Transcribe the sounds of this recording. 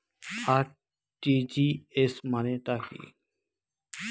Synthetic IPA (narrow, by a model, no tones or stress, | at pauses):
aɾ | ʈid͡ʒiesmanet̪akḭ